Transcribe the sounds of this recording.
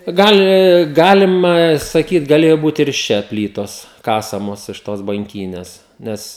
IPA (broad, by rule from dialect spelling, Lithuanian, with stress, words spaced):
ˈɡɑːlʲɪ ˈɡɑːlʲɪmɐ sɐˈkʲiːt ɡɐˈlʲeːjoː ˈbuːt ɪr ɪʃ ˈt͡ʃʲɛ ˈpʲlʲiːtoːs ˈkɑːsɐmoːs ɪʃ toːs bɐŋʲˈkʲiːnʲɛs ˈnʲɛs